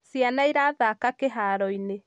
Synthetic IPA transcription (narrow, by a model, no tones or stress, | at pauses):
sjanaiɾaːðakakeɦaːɾɔine